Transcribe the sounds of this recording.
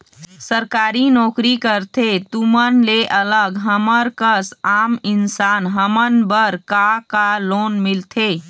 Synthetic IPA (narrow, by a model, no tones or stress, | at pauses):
səɾkaɾinɔkɾikəɾt̪ʰet̪umənleʔələɡɦəməɾkəsaminsanɦəmənbəɾkakalonmilt̪ʰe